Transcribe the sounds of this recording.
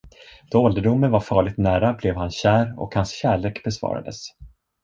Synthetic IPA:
d̪̥ɔɔld̪əɖʊmːənvaɾfɑːɭɪɡt̪næːɾablɛvhanɕæːɾɔ̰khansɕæːɭeːkbɛsvɑ̰ːɾa̰d̪ə̰s

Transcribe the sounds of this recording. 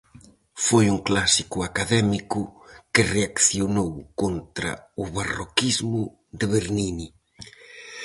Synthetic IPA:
fojuŋklasikʊakaðɛmikʊkɪreakθjonowkont̪ɾɐ̰ʊβarokizmʊ | ðɪβeɾnini

